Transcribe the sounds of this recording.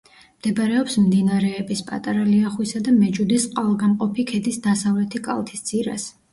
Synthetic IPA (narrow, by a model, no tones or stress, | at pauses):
md̪̥ɛbɾɛɔpsmd̪inaɾɛːbispʼa̰t̪ʼaɾaliaχwisad̪amɛd͡ʒud̪isqʼalˠɡamqʼɔpʰikʰɛd̪isd̪asavlɛt̪ʰikʼa̰lˠt̪ʰisd̪z̥iɾa̰s